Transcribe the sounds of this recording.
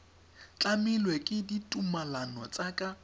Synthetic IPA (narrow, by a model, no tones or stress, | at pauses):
t͡ɬʼamɪlwɛkʼɪditʼumalanɔ̰t͡sʼakʼa